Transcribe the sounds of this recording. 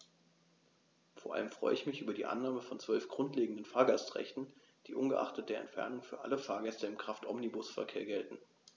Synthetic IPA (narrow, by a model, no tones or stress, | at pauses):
foːɐʔa̰ləmfʁ̥ɔ̰ʏəɪçmɪçʔyːbɐdiːʔa̰nːaːməfɔnt͡sv̥œlfɡ̥ʁʊntleːɡŋ̩dənfaːɐɡastʁ̥ɛ̰çtn̩ | d̥iːʔʊnɡəʔa̰χtət̚d̥eːɐɛ̰ntfɛ̰ɐnʊŋfyːɐʔa̰ləfaːɐɡɛstɐɪmkʁ̥aftʔɔmnibʊsfɛɐkʰeːɐɡɛltn̩